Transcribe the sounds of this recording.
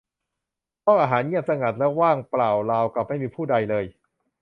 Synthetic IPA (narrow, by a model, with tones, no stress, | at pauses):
pʰɔː˥˩ʔaː˧ɦaː˩˦nɲi˥˩əp̚sa˧ŋa˨˩t̪̚lɛ˦˥waː˥˩ŋplaː˨˩wlaː˧wkla˨˩p̚ha˥˩jmiː˧pʰuː˥˩da˧jlɤː˧j